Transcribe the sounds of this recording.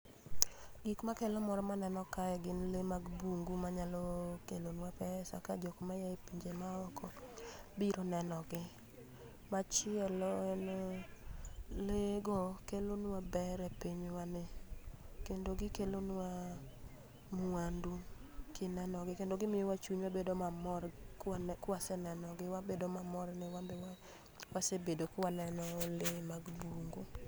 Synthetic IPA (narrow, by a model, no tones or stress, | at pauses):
ɡ̥ɪkmakɛlɔmɔɾɔmanɛnɔkajɛɡɪnlemaɡbuŋɡumaɲalɔkelonwapɛsa̰kad͡ʒokmajaipiɲd͡ʒemaɔkʰɔbiɾonɛnɔɡɪ | mat͡ʃɪɛlɔɛnɔ | leɡokelonwabɛɾɛpiɲwanɪ | kendoɡɪkelonwa | muandukɪnɛnɔɡɪkendoɡɪmɪjɔwat͡ʃuɲwabedomamɔ | kwasɛnɛnɔɡɪwabedomamɔrnɪwa | wasebedokwanɛnɔlɪmaɡbuŋɡu